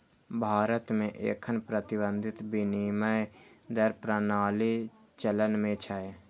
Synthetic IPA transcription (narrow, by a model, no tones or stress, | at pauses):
bʱaːɾət̪mẽʔḛːkʰənpɾət̪ɪbə̃nd̪ʱɪt̪biniməjd̪əɾpɾənaːlit͡ʃələnmẽt͡ʃʰəe